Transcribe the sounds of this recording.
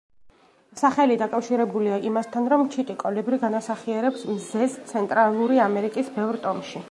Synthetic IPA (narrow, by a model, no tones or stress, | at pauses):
saχɛlid̪akʼafʃiɾɛbuliaʔimast̪ʰanɾɔmt͡ʃʰit̪ʼikʼɔlibɾiɡanasaχiɛɾɛpsmzɛzt̪sʰɛnt̪ʼɾalˠuɾiamɛɾikʼisbɛvɾt̪ʼɔmʃi